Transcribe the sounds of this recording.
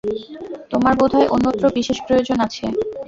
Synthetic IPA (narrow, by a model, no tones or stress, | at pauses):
t̪omaɾbod̪ʱaeʔonːot̪ːɾobiʃeʃpɾojod͡ʑonat͡ɕʰe